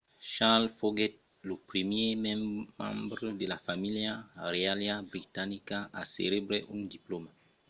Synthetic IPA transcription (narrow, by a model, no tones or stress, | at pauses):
ʃalfoɡɛt̚ | lopɾemjemɛ̃mmã̰mbɾədelafamiljarealjabɾitanikaʔa̰sḛlebɾeʔũndiploma